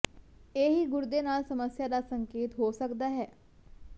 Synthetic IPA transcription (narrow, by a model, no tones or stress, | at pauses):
eːɦiːɡʊɾd̪eːnaːlsəməsjaːd̪aːsəŋkeːt̪ɦoːsəkd̪aːɦɛː